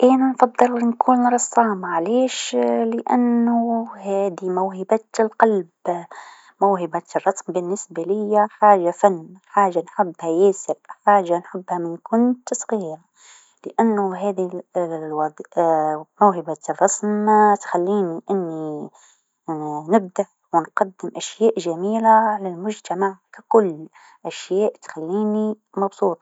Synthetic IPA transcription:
ʔæːnanfɑd̪ˤːɨlnkʰuːnɾˤɑsˤːɑːmaʕleːʃlɪʔa̰nːʊɦæːd̪imawhɪbat̪lqɑlb | mawɦɪbarˤːɑsmbɪnːɪsbalɪjːaħaːʒafanːħaːʒanħʊbːhajæːsɪbħaːʒanħʊbːhamɪnkʊnt̪sˤɣiːɾa | lɪʔanːʊɦaːðiwɑd̪ | mawɦɪbarˤːɑsmt̪xalːiːniʔɪnːi | nɪb̚d̪aʔ | wɪnqɑd̪ːɪmʔaʃjaːʔʒamiːlaalalmʊʒt̪amaʕkakʊlː | ʔaʃjaːʔt̪xalːiːni | mɑbsˤuːt̪ˤɑ

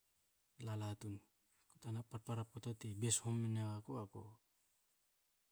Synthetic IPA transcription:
lalatun | kotanapaɾpaɾapotatibeshomːinewakoako̰

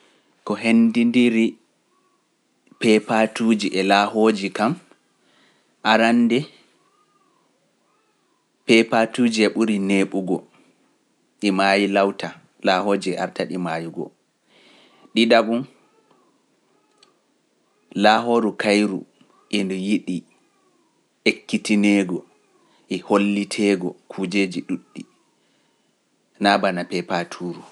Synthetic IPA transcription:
kɔɦendindiɾi | pɛpatuːd͡ʒiʔɛlaːɦoːd͡ʒikam | ʔaɾanːdɛ | pɛpatud͡ʒiɛɓuɾineːɓuɡɔ | ɗimajilawta | laːɦoːd͡ʒiɛa̰ɾtaɗimaːjiɡɔ̰ | ɗiɗaɓun | laːɦoːɾukajɾṵ | ʔɛndɔjiɗi | ʔekːitinɛːɡɔ | ʔɛholːitʰɛːɡɔkʰuːd͡ʒeːd͡ʒiɗuɗːi | nabanapɛpatʰuːɾu

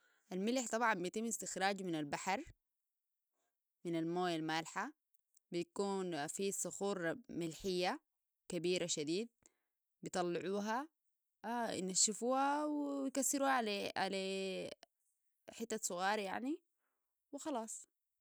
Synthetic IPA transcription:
ʔalmɪlħt̪ˤɑbʕɑmbijt̪ɪmːɪst̪ɪxɾaːd͡ʒmɪnalbaħɑɾˤ | mɪnalmoːjalmalħa | bijkuːnfisˤʊxuːɾmɪlħɪjːa | kabiːɾʔaʃad̪iːd̪̚ | bit̪ˤɑlːɪʕuːɦa | naʃːɪfuːhawjkasːɪɾuːhaʕalaʕala | ħɪt̪ːasˤʊɣɑːɾja̰ʕni | wɪxɑlɑːsˤ

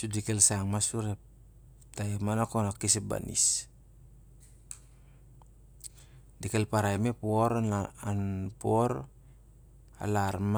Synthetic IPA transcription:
sudikelsaŋmasuɾe | taemanakonakiseba̰nḭs | dikelpaɾaemepuoɾaanpuoɾ | a̰laɾm

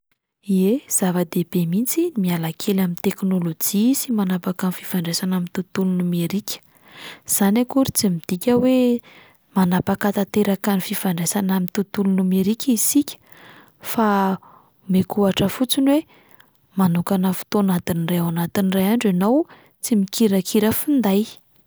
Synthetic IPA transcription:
iez̥avad̪ebemint͡simialakʰelamint̪eknolod͡ʒisimanapakanifi̥faɳɖ͡ʐesanamint̪ut̪ulunumeɾikʲʰə̥ | z̥anakuɾit͡simid̪̥ikʲəwe | manapakat̪at̪eɾakanififaɳɖ͡ʐesanamint̪ut̪ulunumeɾikʲʰəisikʲə̥ | fa | mekuaʈ͡ʂəfut͡sinwe | manukanəfu̥t̪onat̪inirajawanat̪inirajaɳɖ͡ʐanow | t͡simikiɾakʰiɾəfind̪aj

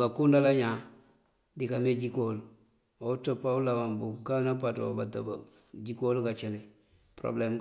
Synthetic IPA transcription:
kakundalaɲa | dikameɟikol | otopaulawambukanapato̰bata̰baɟikolkat͡ʃene | pɾo̰blem

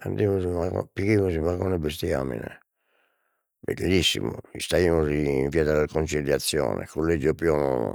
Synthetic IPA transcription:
and̪imosimakɔ̰pikimosimakɔnebest̪ia̰mḭnḛ | bḛlːisːḭmo̰ist̪aimosiːɱvjɛt̪alkont͡ʃiljat̪sːjɔ̰ːnḛkolːed͡ʒopjɔno

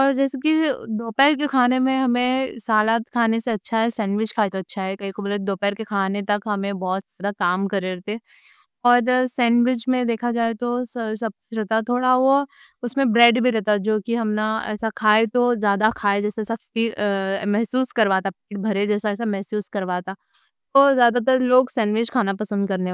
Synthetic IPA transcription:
ɔːɾd͡ʒɛːsekid̪oːpɛːɾkekʰaːnemẽɦɐmẽsaːlaːt̪kʰaːneseɐtːʃʰaɦɛsɛ̃ːnʋɪt͡ʃkʰaːet̪oɐtːʃʰaɦɛkɐɦikobɐlɛd̪oːpɛːɾkekʰaːnet̪ɐkɦɐmẽbɔːt̪zjaːd̪akaːmkɐɾeɾɐɦt̪eɛ | ɔːɾsɛ̃ːnʋɪt͡ʃmẽd̪eːkʰad͡ʒaːet̪ossɐb̚kʊ̥t͡ʃʰɾɛɦt̪at̪ʰoːɽaʋo | ʊsmẽbɾɛːɖbʱiɾɛɦt̪ad͡ʒoːkiɦɐmnaɛ̰ːsakʰaːet̪ozjaːd̪akʰaːed͡ʒɛːsaɛːsaiːmɛɦsuːskɐɾʋaːt̪apiːʈ̚bʱɐɾed͡ʒɛːsaɛːsamɛɦsuːskɐɾʋaːt̪aː | t̪ozjaːd̪at̪̬əɾloːɡsɛ̃ːnʋɪt͡ʃkʰaːnapɐsə̃nd̪̚kɐɾne

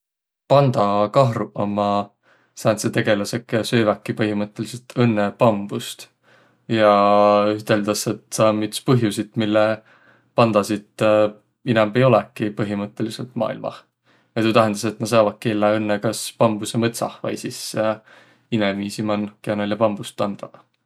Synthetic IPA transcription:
pɑnd̪̥ɑkɑɦruʔɑmɑ | sɑːnset̪e̞ɡe̞lɑsekɑsøːvækːipɤɦimɤt̪ːˑe̞liselt̪ʰɤnːepɑmb̥ust̪ | jɑyt̪e̞ld̪̥ɑset̪sɑmːit̪spɤɦjusit̪milːe | pɑnd̪̥ɑsit̪ | inɛmb̥e̞jo̞lɛkːˑipɤɦimɤt̪ːˑe̞liselt̪mɑ̰ːḭlmɑ̰ | jɑt̪ut̪æɦend̪̥ɑse̞t̪ːˑnɑs̬ɑvɑt̪̚kːielːeɤnːekɑspɑmb̥usemɤt̪sɑ̰hvɑ̰jsis | inemiːsimɑnkeɑnɑljɑpɑmb̥ust̪ɑnd̪̥ɑ

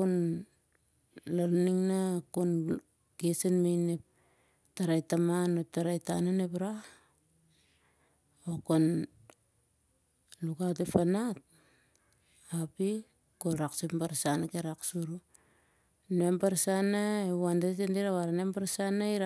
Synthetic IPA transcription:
on | laɾniŋnakon | kesenmejnep̚ | taɾajtamanotaɾajtananepɾa | okon | lukat̬epanat̚ | api | koɾaksempaɾsanakeɾaksuɾu | nempaɾsanaewandetendiɾaβaɾanempaɾsanaiɾa

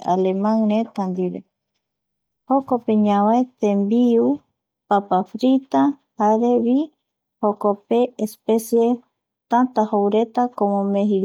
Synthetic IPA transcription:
a̰lemãŋɾet̪and̪iɾe | hokopeɲãβaet̪ẽmbiu | papafɾit̪ahaɾeβi | hokopeːspesje | t̪ant̪ahowɾet̪akomõmeɦi

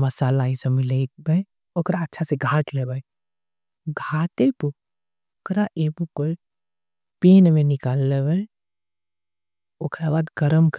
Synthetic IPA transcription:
mɐsaːlaːisemilebʱɐj | okɾaɐtːʃʰaseɡʱãːt͡ʃlebəj | ɡʱaːtepu | okɾaʔeːbukoi | peːnmẽnɪkaːlːebɐi | okɾabaːd̪ɡɐɾəmk

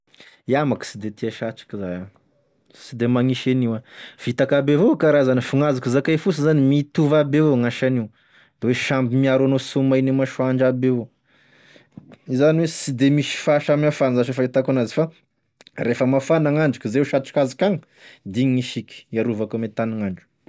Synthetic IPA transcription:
iamaki̥sid̪et̪iaʃaʈ͡ʂḁkizaja | sid̪emaŋiʃeniwav̥it̪akabevokaɾazanifuŋazikizakajfus̬əzanimit̪uvabeeŋaʃaniw | d̪̥eweʃambimiaɾwanosumajnimaʃuaɳɖ͡ʐabeo | izaniwesid̪emiʃi̥faʃamiafanzaʃefait̪akanazifa | refəmafanaŋaɳɖ͡ʐukʲizewʃaʈ͡ʂḁkazakaŋə | d̪iɲiŋiʃiki̥iaɾuvakamet̪aniŋaɳɖ͡ʐu̥

